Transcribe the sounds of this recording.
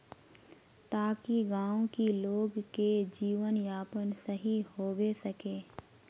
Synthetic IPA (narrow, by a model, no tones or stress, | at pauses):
t̪aːkiɡãːõkiloːɡked͡ʒiːʋənjaːpənsəɦihoːbesəkeː